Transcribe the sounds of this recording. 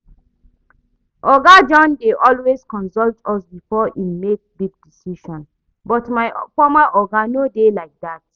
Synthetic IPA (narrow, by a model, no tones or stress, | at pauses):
ʔɔɡad͡ʒɔ̃ndeʔɔlweskɔ̃nsɔltʰɔsbifɔʔimek̚biɡ̚disiʃɔ̃n | bɔtmaɪfɔmaʔɔɡanodelaɪk̚dat̚